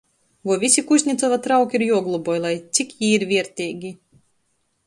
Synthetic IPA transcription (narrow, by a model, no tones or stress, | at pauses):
vuɔvʲisʲikusʲɲʲit̪sɔvat̪ɾawkʲiɾjuɔɡlˠubɔjlˠajt̪sʲikjiːɾvʲiɛɾt̪ʲiːɡʲi